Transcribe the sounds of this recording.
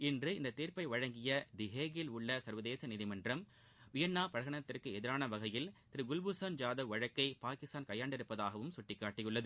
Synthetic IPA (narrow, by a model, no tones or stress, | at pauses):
ɪndrɯɪnd̪ɐt̪iːrpɐɪʋɐɻɐŋɡɪjɐd̪ɪɣeːɣɪlʊɭːɐsɐɾʋɐðeːsɐnɪðɪmɐndrɐm | ʋɪjɐnːaːpɐɻɐɣɐɳɐt̪ːɪrkɯɛðɪɾaːnɐʋɐɣɐjɪlt̪ɪɾɯɡʊlbʊsɐnd͡ʒaːðɐʋɐɻɐkːɐɪpaːkɪst̪aːnkɐjːaːɳɖɪɾɯpːɐðaːɣɐʋɯmsʊʈːɪkːaːʈːɪjɯɭːɐðɯ